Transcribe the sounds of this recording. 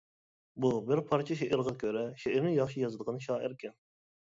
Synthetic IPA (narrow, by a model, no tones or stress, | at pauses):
bubɪɾpʰɑɾt͡ʃʰɛʃeʔɛɾʁɑkʲʰøɾɛʃeɛɾnɪjɑχʃijɑzɨd̪əʁɑnʃɑːɪɾkʲʰɛn